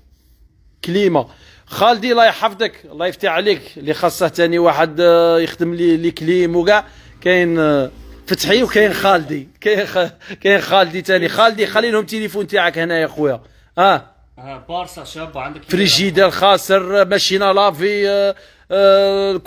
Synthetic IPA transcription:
klima | xæld̪ilɑjħɑfd̪əklːɑjəft̪aħliklixɑsˤːɑht̪æniwaħəd̪jəxd̪əmlliklimwɡaʕ | kæjn | fət̪ħiwkæjnxæld̪ikæjkæjənxæld̪it̪ænixæld̪ixælːinhʊmt̪ilifunt̪aʕəkhnæjæxwjæ | hæ | bɑɾsbd̪əfɾiʒid̪ælxɑsˤəɾmæʃinælɑfi | lk

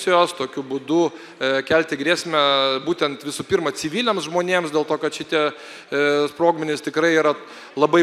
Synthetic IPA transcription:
sʲɪjoːst̪oːkʲʊbʊd̪ʊ | kʲælʲt̪ʲɪɡɾʲiːsʲmʲɛbuːt̪ʲɛnt̪ʋʲɪsuːpʲiːɾmɐt͡s̪ʲɪʋʲiːlʲeːmsʒmoːnʲeːmsd̪ʲeːlˠt̪oːkɐt̪ʃʲɪt̪ʲiɛ | spɾoːɡmʲɪnʲɪst̪ʲɪkɾɐɪiːɾɐ | lˠɐbɐɪ

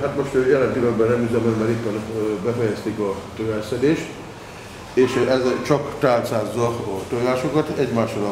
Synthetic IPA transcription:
ɦat̪mo̞ʃt̪øːjɛlɛnt̪ilɔɡ̚bɛnːɛmyzɛmɛnmɛɾipːɛnbɛfɛjɛst̪ikɒt̪øɛsɛd̪eːʃt̪ | eːʃɛzt͡ʃɒkt̪aːlt̪saːzːɒt̪oɡaːʃokɒt̪ɛɟmaːʃlɒ

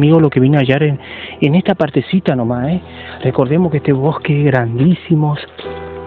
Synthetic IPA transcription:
miɣolo̞keβineaʝaɾeenest̪apaɾt̪esit̪anomae | reko̞ɾðe̞moskest̪eβohkeɣɾand̪isimos

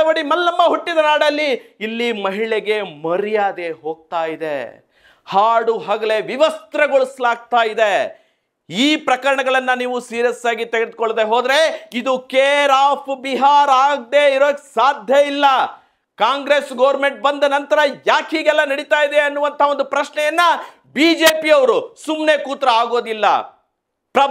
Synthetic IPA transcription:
ʋɐɽimɐlːɐmːɐɦuʈːid̪ɐnaːɽɐlːiːlːimɐɦiɭeɡe̞mɐɾijaːd̪e̞ɦoːɡ̚t̪aːjid̪ḛ | haːɽuɦɐɡɐle̞ʋiʋɐst̪ɾɐɡoɭuslaːɡ̚t̪aːjid̪e | iːpɾɐkɐɾɐɳɐɡɐɭɐnːɐniːʋusiːɾjɐsaːɡit̪eɡed̪̚koɭd̪eɦoːd̪ɾe̞id̪ukeːɾaːpʰbiɦaːɾaːɡ̚d̪eiɾoːksaːd̪ʱjɐilːɐ | kaːŋɡɾe̞sɡɐːʋɾme̞ɳʈ̚bɐnd̪ɐnɐnt̪ɐɾɐjaːkɦiːɡɛlːɐnɐɽit̪aːjid̪e̞ɐnːuʋɐnt̪ʰɐond̪upɾɐʃɳɛjɐnːɐ | biːd͡ʒeːpiɐʋɐɾusumne̞kuːt̪ɾɐaːɡo̞ːd̪ilːɐ̰ | pɾɐ

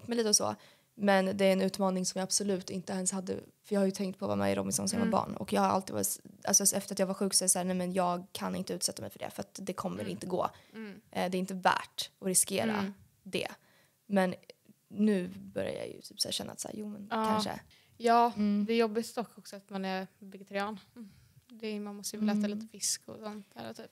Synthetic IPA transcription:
t̪mɛjliːt̪əɔsɔ̰ː | mɛnd̪ɛæɾɛnʉ̟ːt̪mɑːnɪŋsɔmjɑab̥sɔlʉ̟ːt̪ɪnt̪əɛnshad̪ːə̰fœɾjɑːhajɵt̪ʰɛŋkt̪̚pʰɔva̰mɛ̰ɾɔmːɪsɔnsmɛmabɑ̰ːɳɔ̰kjɑːɡhaɾa̰lt̪iːd̪vɑːɾʔa̰lsɔsɛft̪əɾat̪jɑːɡvaɾɧʉ̟ːksɔɛsæːnæmɛnjɑːɡ̚kʰanɪ̰nt̪əʉːt̪sɛt̪ːamɛjfœɖɛ̰fœɾat̪d̪ɛkʰɔmːəɾɪnt̪əɡo̰ːʔd̪ɛːɾɪnt̪əvæ̰ːʈɔɾɪskeːɾa̰ | d̪ɛ̰ | mɛnː | ʉ̟ːbœɾja̰jɑ̰jɵ̰t̪ʰy̥ːpsæːʂɛnːa̰t̪sæ̰ːɾjuːmɛnkʰaʂə̰ | jɑːd̪ɛːɾjɔbːɪst̪ɔkːɔksɔat̪manɛɾvɛɡɛt̪ʰaɾɪɑːn | d̪ɛmanmɔst̪əlɛːt̪aliːt̪əfɪskʊsɔnt̪̚d̪æ̰ːɾɔt̪ʰyːp

